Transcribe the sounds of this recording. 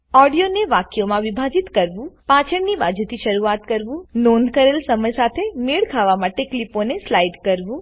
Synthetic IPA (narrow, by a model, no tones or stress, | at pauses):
ɔɖijoneʋakjomãʋibʱad͡ʒit̪kəɾʋũpãt͡ʃʰəɳnibad͡ʒut̪ʰiʃəɾuat̪kəɾʋũnond̪kəɾelsəməjsat̪ʰemiɭkʰaʋamaʈekliponeslaiɖkəɾʋũ